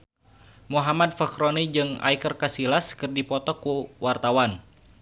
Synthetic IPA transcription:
muɦamad̪̚fakɾonid͡ʒɨŋa̰jkərkasilaskɨrdipɔt̪ɔkuwart̪awan

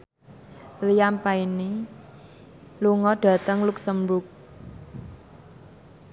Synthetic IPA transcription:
lijampaini | luŋɔɖ̥ä̤t̪əŋluk̚səmbʊk̚

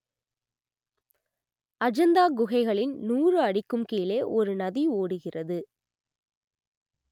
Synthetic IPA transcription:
ɐd͡ʒɐnd̪aːɡʊɣɐɪɣɐɭɪnnuːrɯɐɽɪkːɯmkiːleːʔɔɾɯnɐðioːɽɯɣɪrʔɐðɯ

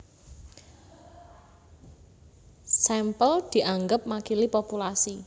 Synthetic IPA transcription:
sɛmpəld̪̥i̤ʔaŋɡəp̚makilipopulasi

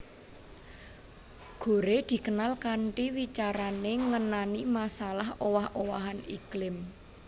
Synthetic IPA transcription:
ɡ̥o̤ɾed̪̥i̤kənalkaɳʈiwit͡ʃaɾaneŋənanimasalahowahowaɦaniklɪm

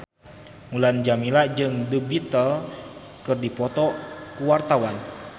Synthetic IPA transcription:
muland͡ʒamilad͡ʒɨŋdəbit̪əl | kɨrdipɔt̪ɔkuwart̪awan

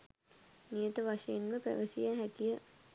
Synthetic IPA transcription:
nijət̪əʋaʂɐjenməpæ̰ʋəsijaɦækijə

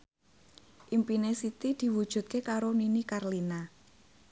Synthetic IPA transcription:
ʔimpinesit̪id̪̥i̤wud̥ʒ̥ṳt̪̚kekaɾoninikarlina

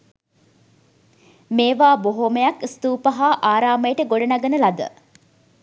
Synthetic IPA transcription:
meːʋaːboɦoməjakst̪uːpəɦaːʔaːɾaːməjəʈəɡoɖɐnaɡənəlɐd̪ə̰

